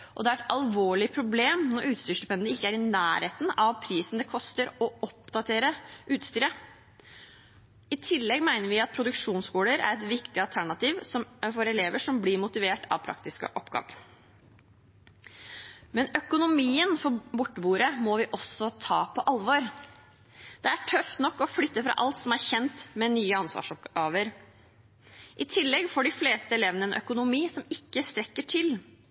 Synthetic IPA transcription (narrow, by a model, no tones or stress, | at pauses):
ʔɔ̰d̪ɛæɾɛt̪ɑlʋoːɭɪpʰɾʊbleːmnɔɾʔʉːt̪st̪yːʂlʉpʰɛnəɪkːəæɾɪnæːɾheːt̪n̩ɑʋpʰɾiːsn̩d̪ɛkʰɔst̪əɾɔɔp̚d̪ɑt̪ʰeːɾəʔʉːt̪st̪yːɾə | ɪt̪ʰɪlːɛɡmæɪnəɾʋɪɑt̪̚pʰɾʊd̪ʉkʂuːnskuːɽəɾæ̰ɾɛt̪ʋɪkt̪ɪɑlˠt̪ʰæɳɑt̪iːʋsɔmfɔɾɛleːʋəʂɔmblɪɾmʊt̪ɪʋeːʈʰɑ̰ʋpʰɾɑ̰k̚t̪ɪskə̰ʔɔpːɡɑ̰ːʋə̰ɾ | mɛnœkʊnʊmiːənfɔbʊʈːəbuːɾəmɔʋɪʔɔsːɔt̪ʰɑːpʰɔʔɑlʋɑɾ | d̪̥ɛæʈʰœft̪nɔkːɔflʏt̪ːəfɾɑ̰ːʔɑlt̪sɔmæɾçɛnt̪mɛnyːəɑnsʋɑ̰ːʂɔpɑːʋəɾ | ʔɪt̪ʰɪlːɛɡfɔɖɪfleːst̪əɛlɛːʋənəɛnʔœkʊnʊmiːsɔmɪkːəst̪ɾɛkːəʈʰɪl